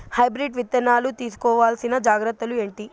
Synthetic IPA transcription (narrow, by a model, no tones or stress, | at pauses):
hɐjbɾiɖʋit̪ːɐnaːlut̪iːsu̥kɔːʋaːlsinɐd͡ʒaːɡɾɐt̪ːɐlue̞ːɳʈi